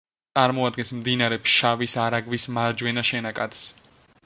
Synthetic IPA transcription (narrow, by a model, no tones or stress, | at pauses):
sʼaɾmɔad̪̚ɡɛnsmd̪inaɾɛpsʃavisaɾaɡvismaɾd͡ʒwɛnaʃɛnakʼad̪s